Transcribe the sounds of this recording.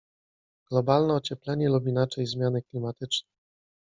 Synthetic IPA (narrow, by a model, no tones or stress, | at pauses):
ɡ̥lɔbalnɛɔt͡ɕɛplɛɲɛlubʲinat͡ʂɛjzmʲjanɘklʲimat̪ɘt͡ʂnɛ